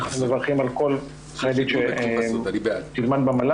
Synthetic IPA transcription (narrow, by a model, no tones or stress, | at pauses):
χmevaʁχimalkol | χead̪itʃe | t̪ilmad̪̚bamala